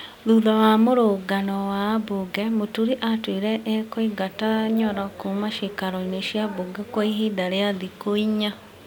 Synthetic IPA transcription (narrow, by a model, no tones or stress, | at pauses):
ðuðawamoɾoɡanɔwaboɡɛmotuɾiʔatwiɾɛʔekoiɡataɲɔɾakomaʃikaɾɔineʃjaβoɡɛkwaiɦidaɾeaðikoiɲa